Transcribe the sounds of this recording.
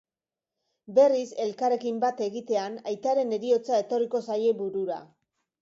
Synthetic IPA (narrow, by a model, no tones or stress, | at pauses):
be̞rise̞lkaɾe̞kimbat̪e̞ɣit̪e̞anajt̪aɾe̞ne̞ɾio̞t͡sae̞t̪o̞riko̞saje̞βuɾuɾa̰